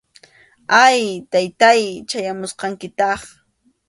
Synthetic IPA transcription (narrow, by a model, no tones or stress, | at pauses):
ajt̪ajt̪ajt͡ʃajamʊsqɑŋkɪt̪ɑχ